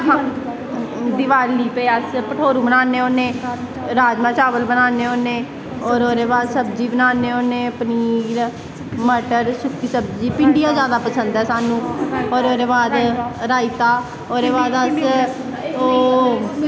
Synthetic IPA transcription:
ɦa | d̪ɪʋaːliːpeːəspəʈʰoːɾũːbənaːneːoːneː | ɾaːd͡ʒmãːt͡ʃaːʋəlbənaːneːoːneː | ɔːɾoːɾeːbaːd̪səbd͡ʒiːbənaːneːoːneːpəniːɾ | məʈəɾsʊkʰːiːsəbd͡ʒiːpɪɳɖijãːzjaːd̪aːpəsənd̪ɦɛːsaːnũːoːɾoːɾeːbaːd̪ɾaːɪt̪aː | oːɾeːbaːd̪əs | oː

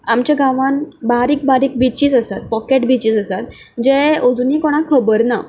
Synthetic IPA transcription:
amt͡ɕjaɡãʋãnbaɾiːk̚baɾiːk̚bit͡ɕiːt͡səsat̪̚pɔkeʈbit͡ɕiːt͡səsat̪̚ | d͡ʑeod͡zunikoɽ̃akʰəbəɾna̰

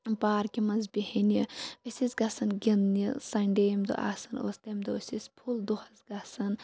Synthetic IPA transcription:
baːɾkimɐnzbʲihiniɐsʲisɡɐsɐnɡʲinnisɐɳɖeːmd̪o̰ʔa̰ːsɐno̰ːst̪eːmd̪oosispʰuld̪uhɐzɡɐsɐn

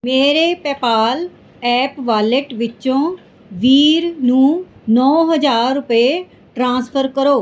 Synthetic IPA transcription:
meːɾeːpɛːpaːl | ɛːpʋaːləʈʋɪt͡ʃõː | ʋiːɾnũːnɔːɦəd͡ʒaːɾːʊpəeː | ʈɾãːspʰəɾkəɾoː

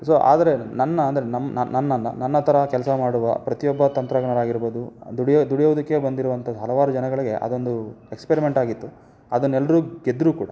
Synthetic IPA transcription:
soːʔa̰ːd̪ɐɾe̞nɐnːɐːnd̪ɐɾenɐmnɐnɐnːɐnːɐ̰nɐnːɐt̪ʰɐɾɐkɛlɐsɐmaːɽuʋɐ̰pɾɐt̪ijɔbːɐt̪ɐnt̪ɾɐɡɳɐɾaːɡiɾboːd̪ud̪uɽjd̪uɽijɐʋud̪ɐkːe̞bɐnd̪iɾuʋɐnt̪ʰɐɦɐlɐʋaːɾud͡ʒɐnɐɡɐɭiɡe̞ʔɐ̰d̪o̞nd̪uekspeɾime̞ɳʈaːɡit̪ːu | ɐd̪ɐnːɛlːɐɾuːɡed̪ɾuːkuːɽɐ

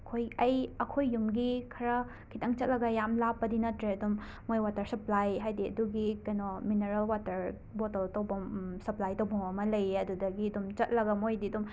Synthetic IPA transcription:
kʰojɐjɐkʰojːumɡikʰɐɾɐ | kʰitʰɐŋt͡ʃɐt̚lɐɡɐjamlapːɐdinɐtɾeɐdumː | ojwatɐɾsɐplajɦajdiɐ̰duɡikɐjnomineɾɐlwatɐɾ | botɐltɐwbɐsɐplajtɐwbɐŋɐmɐlɐjɐdudɐɡiɐdumt͡ʃɐt̚lɐɡɐmojdiɐdum

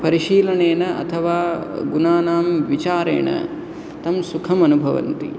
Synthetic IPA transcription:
pɐɾiʃiːlɐɳeːnɐʔɐ̰t̪ʰɐʋaːɡunaːnaːmʋit͡ʃaːɾḛːɳɐ̰ | t̪ɐmsukʰɐmɐnubʱɐʋɐ̰nt̪ḭ

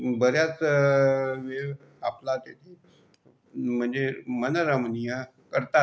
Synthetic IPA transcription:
bəɾjat͡s | ʋe | aplat̪et̪ʰi | m̤əɳd͡zemənəɾəmnijə | kəɾt̪a

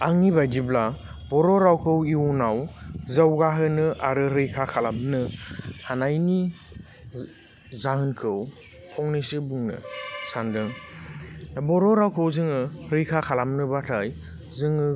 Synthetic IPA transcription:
aŋːibajdibla | bɔɾɔɾawkʰɯwiunawzawɡaɦɯnɯʔaɾɯɾɯjkʰakʰalam̚nɯhanajni | zahɯnkʰɯw | pʰɔŋnisɯbuŋnɯ̰sandɯŋ | abɔɾɔɾawkʰɯwzɯŋɯɾɯjkʰakʰalamnɯbatʰaj | zɯŋɯ

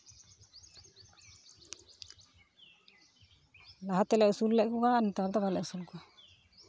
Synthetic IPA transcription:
laɦat̪ɛlɛusulːɛʔkɔɡanit̪aɾd̪ɔbalɛʔusulkɔ

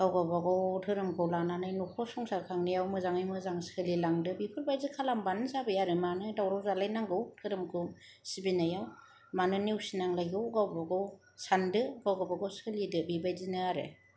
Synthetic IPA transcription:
ɡ̥awɡabaɡɔwtʰɯɾɯmkʰɯwlananajnukʰɔsɔŋsakʰaŋnijawmɯzaŋɯjmɯzaŋsʰɯlilaŋdɯbipʰɯɾbajzikʰalambanɯzabɯjaɾɯmanɯdawɾɔwzalajnaŋɡɯwtʰɯɾɯmkʰɯ | sibinajaw | manɯniwsinaŋlajɡɯɡawbaɡɔw | sandɯɡawɡabaɡɔwsʰɯlidɯbibajzinɯaɾḛ

